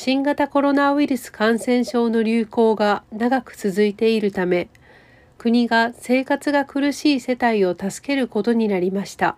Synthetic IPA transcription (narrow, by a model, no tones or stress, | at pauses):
ɕĩŋɡat̪ako̞ɾo̞naiɾɯ̟sɨ̥kãɰ̃sẽ̞ɰ̃ɕo̞ːno̞ɾʲɨːko̞ːɡanaɡakɯ̟̥t͡sɨzɨit̪e̞iɾɯ̟t̪ame̞ | kɯ̟ɲ̟iɡase̞ːkat͡sɨɡakɯ̟ɾɯ̟ɕiːse̞t̪aio̞t̪asɨ̥ke̞ɾɯ̟ko̞t̪o̞ɲ̟inaɾʲimaɕi̥t̪a̰